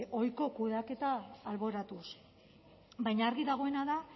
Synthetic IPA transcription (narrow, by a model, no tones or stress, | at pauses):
o̞jko̞kuðake̞t̪aːlβo̞ɾat̪us | bajɲaːɾɣiðaɣ̞o̞e̞naða